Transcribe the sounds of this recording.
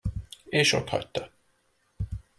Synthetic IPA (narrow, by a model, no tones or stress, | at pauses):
eːʃo̰t̪hɒ̰tʲt̪ːɒ